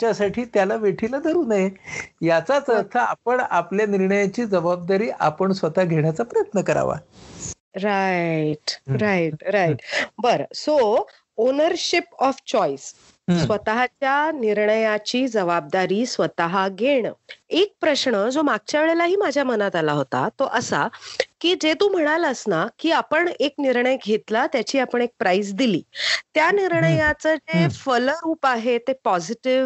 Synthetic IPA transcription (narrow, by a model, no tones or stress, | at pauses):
t͡ɕjasaʈʰiːt̪jalaʋeʈʰiːlad̪ʱəɾuːnajejat͡sat͡səɾt̪ʰəa̰pəɳapljaniɾɳəjat͡ɕiːd͡zəʋab̚d̪aɾiːʔapəɳsʋət̪aɡʱeɽ̃jat͡sapɾəjət̪nəkəɾa̰ʋa̰ | ɾaiʈɾajiʈ̚ɾaiʈbəɾso | onəɾɕipɔft͡ɕɔjs | sʋət̪aɦat͡ɕjaniɾɳəjat͡ɕiːd͡zəʋab̚d̪aɾiːsʋət̪aɦaɡʱeɽ̃ek̚pɾəɕɳəd͡zomaɡ̚t͡ɕjaʋeɭelaɦiːmad͡ʑʱjamənat̪alaɦot̪a̰t̪oʔəsa̰kiːd͡zet̪uːm̤əɽ̃aləsnakiːapəɳekniɾɳəjɡʱet̪lat̪jat͡ɕiːapəɳ̃ek̚pɾaisd̪ilḭːt̪janiɾɳəjat͡səd͡zefəlɾuːpaɦet̪epɔziʈiʋ